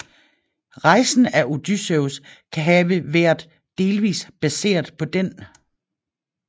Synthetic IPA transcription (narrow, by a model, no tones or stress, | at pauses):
ʁɑ̈ɪsn̩æʔo̝d̥ysøʊskʰæɦɛːʋəʋæɐ̰d̥ː | e̝ːlʋḭːsb̥æse̝̰ːɐðˠpʰɒ̽d̥en